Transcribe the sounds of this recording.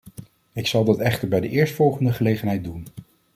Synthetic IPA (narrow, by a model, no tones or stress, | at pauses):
ɪksɑlˠdɑtɛχtəɹbɛjdəʔɪːɹstfɔlˠχəndəχəlejχənɦɛj̚dun